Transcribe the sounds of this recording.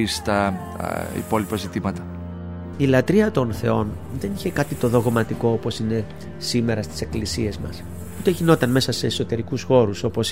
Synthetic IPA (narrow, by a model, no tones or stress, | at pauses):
ist̪ɐ | ḭpo̞lipɐzit̪imɐt̪ɐ | ilɐt̪ɾiɐt̪o̞nθe̞o̞n | ðe̞niçe̞kɐt̪it̪o̞ðo̞ɣmɐt̪iko̞opo̞sine̞ | sime̞ɾɐst̪i̥se̞klisie̞zmɐ̰s | ut̪eʝino̞t̪ɐnme̞sɐse̞ːso̞t̪e̞ɾikusxo̞ɾuso̞po̞s